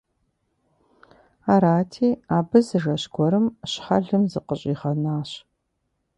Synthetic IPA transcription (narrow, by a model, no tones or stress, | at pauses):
aːɾaːtʰiːaːbɨzɨʐɐɕɡʷɔɾɨmɕħɐ̰ɮɨmzɨqəɕʼiːʁɐnaːɕ